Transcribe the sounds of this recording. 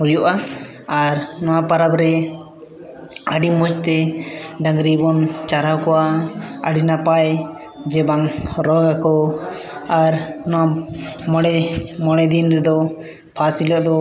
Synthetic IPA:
uɾjɔʔa | aɾnɔwapaɾabɾɛ | əɖimɔt͡ʃt̪ɛɖãŋɡɾibɔnt͡ʃaɾawkɔwaə̰ɖinapaj | d͡ʒɛbaŋɾɔɡakɔ | aɾnɔwamɔɽɛmɔɽ̃ɛd̪inɾɛd̪ɔ | pʰasilɔʔd̪ɔ

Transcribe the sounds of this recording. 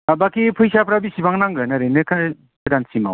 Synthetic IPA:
abakipʰɯjsapɾabisibaŋnaŋɡɯnaɾenɯkʰaj | kdansima̰w

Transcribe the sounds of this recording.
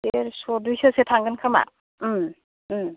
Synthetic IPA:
seɾsɔdujsɯsetʰaŋɡɯnkʰama̰

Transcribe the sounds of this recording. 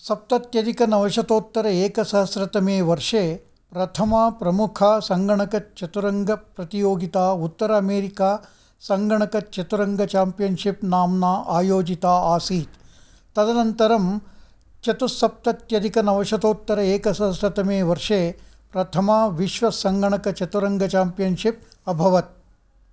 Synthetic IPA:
sɐp̚t̪ɐt̪jɐd̪ikɐnɐʋɐʂɐt̪oːt̪ːɐɾɐeːkɐsɐɦɐsɾɐt̪ɐmeːʋɐɾʂeː | pɾɐt̪ʰɐmapɾɐmukʰaːsɐŋɡɐɳɐkɐt͡ʃɐt̪uɾɐŋɡɐpɾɐt̪ijoːɡit̪aːut̪ːɐɾɐɐmeːɾikaː | sɐŋɡɐɳɐkɐt͡ʃɐt̪uɾɐŋɡɐt͡ʃaːmpijɐnʃipnaːmnaːʔaːjoːd͡ʒit̪aːaːsiːt̪ | t̪ːɐd̪ɐnɐnt̪ɐɾɐm | t͡ʃɐt̪usɐp̚t̪ɐt̪jɐd̪ikɐnɐʋɐʂɐd̪oːt̪ːɐɾɐeːkɐsɐsɐt̪ɐmeːʋɐɾʂeː | pɾɐt̪ʰɐmaːʋiʃʋɐsɐŋɡʱɐɳɐkɐt͡ʃɐt̪uɾɐŋɡʱɐt͡ʃaːmpijɐnʂip̚ | ɐbʱɐʋɐt̪̚

